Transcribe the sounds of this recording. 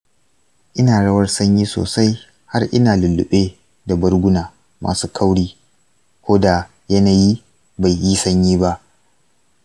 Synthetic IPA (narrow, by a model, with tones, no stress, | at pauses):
ʔɪ˦naː˨ɽɐ˦wɐ˦rsɐ˦ɲjiː˦so̰ː˨sa˦j | ha˦rʔɪ˦naː˨lʊ˨lːʊ̰˨ɓeː˦ | da˨bɐ˦rɡʷʊ˦naː˨ | ma̰ː˨suː˦kʰa˦wɽiː˦ | kʷoː˦da˨ | jɐ˦na˨jiː˦ | ba˨jːi˦sɐ˦ɲjiː˦ba˦ʔ